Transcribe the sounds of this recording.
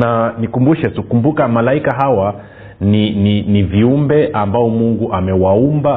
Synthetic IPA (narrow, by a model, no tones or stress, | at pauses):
nanikumbuʃɛtukumbukamalaikaɦawa | nininiviumbɛʔambaɔmuŋɡuʔamɛwaumba